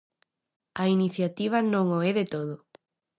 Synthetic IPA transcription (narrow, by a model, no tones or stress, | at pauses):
ainiθjat̪iβ̞ɐnõŋoɛðet̪oðʊ